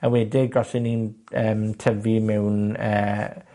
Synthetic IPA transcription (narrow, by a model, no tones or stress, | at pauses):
awɛdɪɡɔsɪninəːmtʰəvimɛwnəː